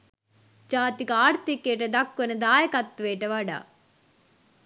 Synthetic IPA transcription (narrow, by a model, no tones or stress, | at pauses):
d͡ʒaːt̪ikɐaːɾt̪ikːeːʈɐd̪ɐkːɐnɐd̪aːjɐkɐt̪ːʋeːʈɐʋaːɖa̰ː